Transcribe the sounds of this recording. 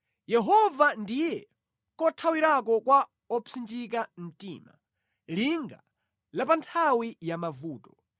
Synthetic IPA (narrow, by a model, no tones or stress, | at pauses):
jɛɦɔvandijɛ | kɔtʰawiɾakɔkwa | ɔpʰind͡ʒikam̩tḭːma̰ | liŋɡa̰ | lapantʰawijamavuːtɔ̥